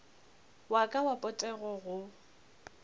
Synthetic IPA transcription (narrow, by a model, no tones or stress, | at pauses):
wakʼawapʼɔtʼɛɣɔɣʊ